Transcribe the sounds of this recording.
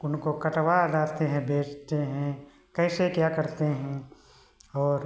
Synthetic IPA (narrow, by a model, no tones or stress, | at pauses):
ʊnkokɐʈʋad̪aːt̪eɦɛ̃bʱeːt͡ʃt̪eɦɛ̃ | kɛːsekjaːkɐɾt̪eɦɛ̃ | ɔːɾ